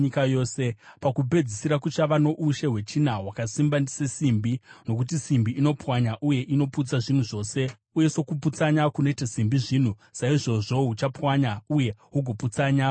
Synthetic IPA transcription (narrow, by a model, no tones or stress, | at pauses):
ɲikajo̞ːse̞pakubʱe̞d͡zisiɾakut͡ʃaʋano̞ʔuʃe̞ɦwe̞t͡ʃinawakasimbandisesimbino̞k̬ut̬isimbiʔino̞pwaɲaʔuje̞ʔino̞put͡saʐin̤uʐo̞ːse̞ | uje̞so̞kup̬ut͡saɲakuno̞itasimbiʐiːn̤u | saiʐo̞ʐo̞ɦut͡ʃapwaɲauje̞ɦuɡʱoput͡saɲa